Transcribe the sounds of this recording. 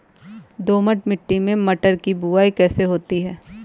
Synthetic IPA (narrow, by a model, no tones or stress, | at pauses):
d̪oːməʈmɪʈːimẽmɐʈəɾkibuaːikɛːseɦoːt̪iɦɛː